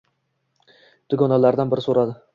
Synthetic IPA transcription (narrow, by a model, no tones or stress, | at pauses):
d̪̥ʊɡʲɒnalaɾd̪anbɪɾɪsoɾad̪ɪ